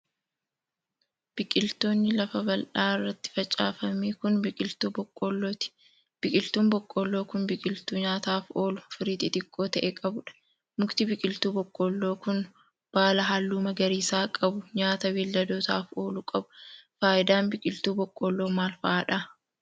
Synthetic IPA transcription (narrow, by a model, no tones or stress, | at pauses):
b̥ɪkʼɪlt̪o̞ːnːɪlɐfɐbɐlᶑaːɪrːɐt̪ːɪ̥fɐt͡ʃʼa̰ːfɐmiːkʊnbkʼɪlt̪uːbɔkʼːɔlːoːt̪ɪ̥ | b̥ɪkʼɪlt̪uːmbɔkʼːɔlːo̞ːkʊnbɪkʼɪlt̪uːɲaːt̪aːfo̞ːlʊfɪɾiːt̪ɪt̪ʼɪkʼːo̞ːt̪ɐʔeːkʼɐbʊᶑɐ̥ | mʊkt̪ɪbɪkʼɪlt̪uːbɔkʼːɔlːo̞ːkʊn | b̥aːlɐɦaːlːuːmɐɡɐɾiːsaːkʼɐbʊɲaːt̪ɐwiːlːɐd̪oːt̪aːfo̞ːlʊkʼɐbʊ̥faːʔɪd̪aːnbɪkʼɪlt̪uːbɔkʼːɔlːo̞ːmaːlfɐʔaːᶑɐ